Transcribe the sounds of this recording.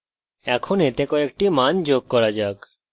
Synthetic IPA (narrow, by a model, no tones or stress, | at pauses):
ɛkʰonet̪ekɔekʈimand͡ʒoɡ̚kɔɾad͡ʒak